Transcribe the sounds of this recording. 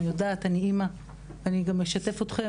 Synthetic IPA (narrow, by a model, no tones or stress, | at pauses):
ijodaːtaniima | vaniɡamjeʃate̞fot̪χe